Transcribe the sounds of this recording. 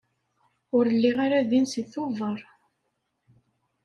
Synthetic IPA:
ʊɾəlːiʁaɾaðinsiθʊvəɾˤ

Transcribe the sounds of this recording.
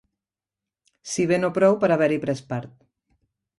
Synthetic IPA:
siβenopɾɔwpəɾaβɛɾipɾɛspaɾt̪̚

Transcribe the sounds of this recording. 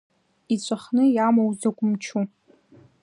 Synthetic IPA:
it͡ɕʷʼaχnɨjamowzakʷʼʊmt͡ʃʰu

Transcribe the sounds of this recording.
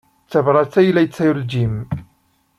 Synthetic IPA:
t͡sːævɾˤɑt͡sːæjlæjət͡sːæjuld͡ʒim

